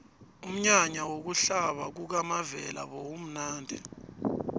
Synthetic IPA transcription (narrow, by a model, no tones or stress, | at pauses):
um̩ɲaɲawok̬uɬaɓak̬uk̬amavɛla̰ɓowum̩naːndʱɛ̰